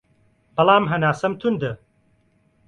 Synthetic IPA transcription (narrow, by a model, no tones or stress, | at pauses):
b̥ɐlˠaːmɦɐnaːsɐmt̪ʰund̪ɨ